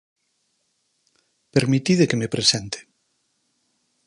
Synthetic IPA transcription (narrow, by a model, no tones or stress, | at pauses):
peɾmit̪iðekemepɾesɛnt̪e̥